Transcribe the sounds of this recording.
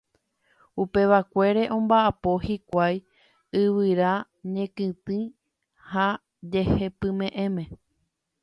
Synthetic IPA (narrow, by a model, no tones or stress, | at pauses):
upe̞ʋakʷe̞ɾe̞ʔõ̞mbaʔapo̞hikʷaj | ɨʋɨɾa | ɲẽ̞kɨ̃t̪ɨ̃ | ha | d͡ʒe̞he̞pɨ̃mẽ̞ʔẽ̞mẽ̞